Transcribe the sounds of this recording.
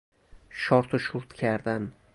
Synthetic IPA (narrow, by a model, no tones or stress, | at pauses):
ʃɒɾt̪ʰʊʃuɾt̪kʲʰaɾd̪an